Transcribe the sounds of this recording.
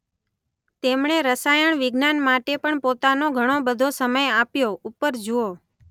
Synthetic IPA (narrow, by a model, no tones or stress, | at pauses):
t̪emɳeɾəsajəɳʋɪɡnanmaʈepəɳpot̪anoɡʱəɽ̃obəd̪ʱosəməjapjoupːəɾd͡ʒuo